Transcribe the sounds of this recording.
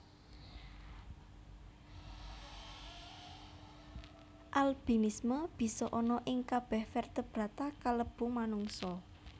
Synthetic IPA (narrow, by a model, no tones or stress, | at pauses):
ʔalb̥inisməb̥i̤sɔʔɔnɔʔɪŋkab̥ɛhfɛrt̪əb̥ɾat̪akaləb̥ṳmanuŋsɔ